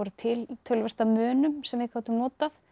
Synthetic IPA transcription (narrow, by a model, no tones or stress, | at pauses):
ɔɾʏt̪ʰɪlt̪ʰœlvɛr̥t̪amœːnʏmsɛmvɪkʰawt̪ʏmnɔːt̪aθ